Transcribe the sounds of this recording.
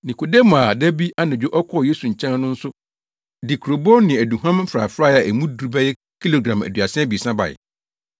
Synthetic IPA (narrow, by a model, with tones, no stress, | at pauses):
nĩ˨ko˨de˦mãː˨dæ˦bi˦ʔa˦nɪ̃˨d͡ʑᶣʊ˦ʔɔ˦kʰɔ˦˨je˦su˨ɲ̩˨t͡ɕʰã˦nʊ̃˦n̩˦sʊ˦ | dɪ˨kʰu˨ɾo˨bɔ˦nɪ̃˨æ˨du˨ɦã˦m̩˦fɾa̰˨fɾaː˦˨a˨ʔæ˨mũ˦du˨ɾu˨bɛ˦jɛ˦ | kʰi˦lo˨ɡɾã˨mæ̰˨dɥa˨sɪ̃˦bi˨sã˦ba̰˨ɪ̰˨